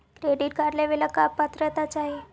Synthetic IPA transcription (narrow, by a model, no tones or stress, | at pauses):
kɾeɖiʈ̚kaɾlaʋelakapːat̪ɾət̪at͡saɦe